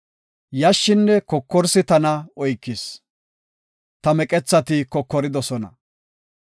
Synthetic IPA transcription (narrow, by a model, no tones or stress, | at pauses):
jɐʃːɪnːɛkɔkːɔɾsɪt̪ɐnɐɔjkːɪs | t̪ɐmɛkʼɛt͡sːɐt̪ɪkɔkːɔɾɪd̪ɔsɔnɐ̰